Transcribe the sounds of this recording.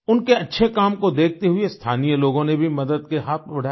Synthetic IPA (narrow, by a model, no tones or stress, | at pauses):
ʊnkeɐtːʃʰekaːmkod̪eːk̚ʰt̪eɦʊest̪ʰaːnijəloːɡõnebʱimɐd̪əd̪̚keɦaːt̪̚ʰbɐɽ̤ʱa